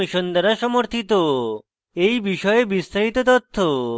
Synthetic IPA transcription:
iʃond̪aɾaʃɔmoɾt̪ʰit̪o | ejbiʃɔebist̪ɾaɦit̪ot̪ɔt̪ʰːo

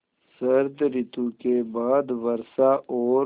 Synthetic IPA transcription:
sɐɾd̪ɾɪt̪ukebaːd̪ʋəɾsaʔɔː

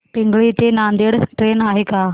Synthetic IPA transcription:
piŋɡɭit̪enand̪eɽʈɾenaɦeka

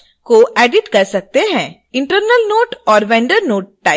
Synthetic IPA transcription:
koʔɛːɖɪʈkɐɾsɐk̚t̪eɦɛ̃ː | ɪ̃ɳʈəɾnəlnoːʈɔːɾʋɛ̃ːɳɖəɾnoːʈ̚ːaː

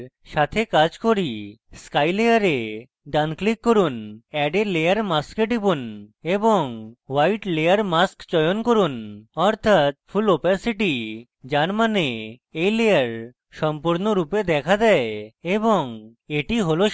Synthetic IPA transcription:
ʃat̪ʰekad͡ʑkoɾiskajlejaɾe | ɖanklikːoɾunɛɖelejaɾmaskeɖipuneboŋwajʈlejaɾmaskt͡ɕɔjonkoɾunɔɾt̪ʰat̪̚fʰulopasiʈi | d͡ʑaɾmaneejlejaɾ | ʃɔmpuɾnoɾuped̪ɛkʰad̪ɛeeboŋ | eʈiɦolo

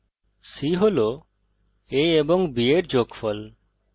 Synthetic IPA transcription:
siɦolo | eebɔŋbieʈ̚d͡ʒokfʰɔl

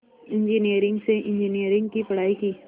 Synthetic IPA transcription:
ɪ̃ɲd͡ʒinijəɾɪ̃ŋɡseʔɪ̃ɲd͡ʒinijəɾɪ̃ŋɡkipɐɽ̤aːikiː

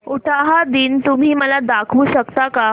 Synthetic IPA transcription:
uʈʰaɦad̪iːnt̪um̤iːməlad̪akʰʋuːɕəkt̪aka

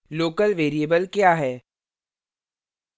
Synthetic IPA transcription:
loːkəlʋeːɾiebəlkjaːɦɛː

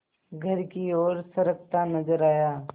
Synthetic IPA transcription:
ɡʱɐɾkiɔːɾsɐɾək̚t̪anɐzəɾaːjaː

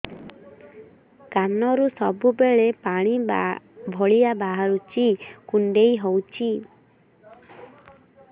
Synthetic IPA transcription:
kanɔɾusɔbubeɭepaɽ̃ibabʱɔɭijabaɦaɾut͡ʃikuɳɖejɦɔwt͡ʃʰi

